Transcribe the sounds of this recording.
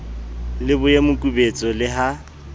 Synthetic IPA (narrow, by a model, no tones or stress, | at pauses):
lɪbʊjemʊkʼubet͡sʼɔlɪɦa